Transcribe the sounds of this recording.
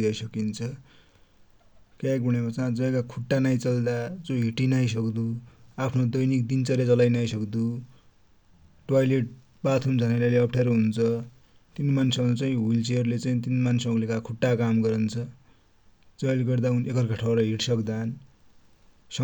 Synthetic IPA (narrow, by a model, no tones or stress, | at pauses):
d̪ʌjsʌkint͡sʰʌ | kjaɡuɽ̃emʌt͡sad͡zʌjkakʰuʈːanajt͡sʌld̪ad͡zoɦiʈinajs̬ʌkd̪uapʰnod̪ʌjnikd̪int͡sʌɾet͡sʌlajnajsʌkd̪u | ʈwajleʈ̚ | bat̪ʰumd͡zʱʌnalaleʌpʰʈʰeɾoɦunt͡sʰʌ | t̪inmansʌɾut͡saĩɦult͡seʌɾulet͡saĩt̪inmansʌɾulekakʰuʈːakamɡʌɾʌnt͡sʰʌ | d͡zʌlɡʌrd̪aunekʌrkʌʈʰawɾʌɦiʈsʌkd̪an | sʌ